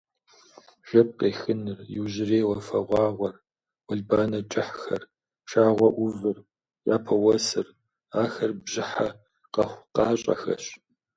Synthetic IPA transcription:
ʒ̥ɐp̚qeːxɨnɨrjɪwʑɪreːwɐfɐʁʷɑːʁʷɔr | wɐɮbaːnɐt͡ʃʼɪħxɐr | ʃaːʁʷɔʔʷʊvɨr | ja̰ːpʰɐwɐsɨr | aːxɐrbʑɪħa | qɐχʷqɑːɕʼɐ̰xɐ̰ɕ

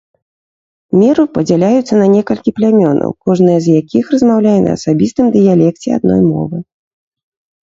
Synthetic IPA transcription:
mʲɛɾɨpɐd͡zʲalʲajut̪sːɐnɐnʲɛkɐlʲkʲiplʲamʲɔnɐ̰wkɔʐnɨjɐzjakʲixrɐzmawlʲajɛnɐ̰ːsabʲist̪ɨmd̪ɨjalʲɛk̚t͡sʲɛa̰d̪̚nɔ̰jmɔ̰vɨ

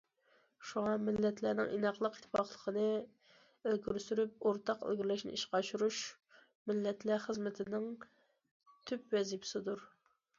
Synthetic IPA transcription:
ʃuŋɑmɪlːɛt̪ʰlænɪ̰ŋʔḭnɑqlˠəqit̪ʰːɪfɑχlˠəqʰənɨ | ølɡʲyɾsyɾyp̚oɾt̪ʰɑqø̰lɡʲiɾlɛʃnɪ̰iʃqɑʃuɾuʃ | mɪlːɛt̪ʰlæχəzmɪt̪ʰɪnɪŋ | t̪ʰypwɛzipʰɪ̥sɪd̪uɾ

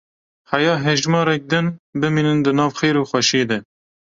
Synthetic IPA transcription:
hɛjɑːɦɛʒmɑːɾɛk̚d̪ɨnbɨmiːnɨnd̪ɨnɑːvxeːɾuːxwɛʃeːd̪ɛ

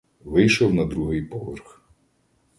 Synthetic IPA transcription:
ʋɪjʃɔwnɐd̪ɾuɦɪjpɔʋɛrx

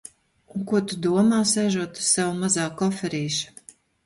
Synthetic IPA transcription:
ukuɔt̪ud̪uɔmaːsɛʒuɔt̪u̥sawumazaːkɔfɛɾiːʃ

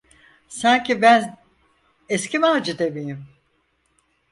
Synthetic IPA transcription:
saɲcʰibæn | escʰʲimaːd͡ʒɯd̪ebijim

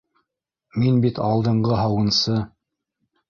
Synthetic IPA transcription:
minbit̪ɑlˠd̪ɤ̆ɴɢɤɦɑwɤ̆nsɤ

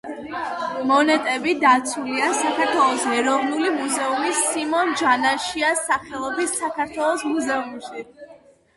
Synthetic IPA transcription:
mɔnɛt̪ʼɛbid̪at̪sʰuliasakʰaɾt̪ʰwɛlˠɔsɛɾɔvnulimuzɛumisːimɔnd͡ʒanaʃiasaχɛlˠɔbisːakʰaɾt̪ʰwɛlˠɔsmuzɛumʃi

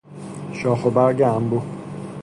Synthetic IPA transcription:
ʃɒːxobæɾɡeæmbu

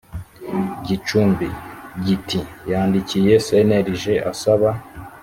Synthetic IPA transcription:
ɟit͡ʃuːmbiɟitijaːndicije̞se̞neɾiʒe̞ʔasaβa

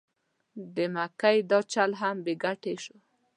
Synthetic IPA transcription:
d̪əmakajd̪ɑt͡ʃalɦambeɡaʈeʃo

